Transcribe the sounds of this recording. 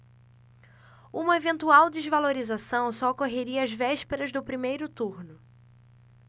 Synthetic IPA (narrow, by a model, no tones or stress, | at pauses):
ũmɐevẽnt̪uawd͡ʒ̪ezvaloɾizasɐ̃w̃sɔokoɦeɾiɐːzvɛʃpeɾɐzd̪ʊpɾimejɾʊt̪uɾnʊ